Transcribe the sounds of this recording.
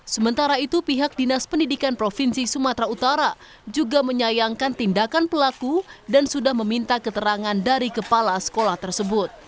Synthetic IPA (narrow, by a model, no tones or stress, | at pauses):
səmənt̪aɾait̪upiɦak̚dinaspəndidikanpɾofinsisumat̪ɾaut̪aɾa | d͡ʒuɡaməɲajaŋkant̪indakanpəlakudansudahməmint̪akət̪əɾaŋandaɾikəpalasə̥kolaht̪ərsəbʊt̪̚